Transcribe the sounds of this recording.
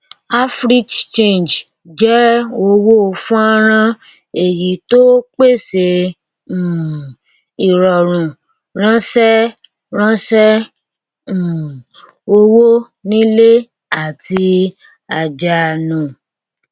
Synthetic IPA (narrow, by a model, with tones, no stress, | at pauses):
a˦fɾi˦t͡ʃẽ˦˨nd͡ʒ | d͡ʒɛ˦o˧wo˦˧fũ˦a˦ɾ̃ã˦ | e˨ji˨˦to˦k͡pe˦˨sẽ˧˨ | i˨ɾɔ˨ɾ̃ũ˨ | ɾ̃ã˦sɛ˦ | ɾ̃ã˦sɛ˦˨ | o˧wo˦ | nĩ˦le˦ | a˦˨ti˧ | a˨d͡ʒa˨nũ˨